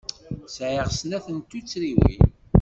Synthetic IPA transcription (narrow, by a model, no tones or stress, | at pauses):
sʕiʁsnæθənt̪ːut͡sːɾiwḭ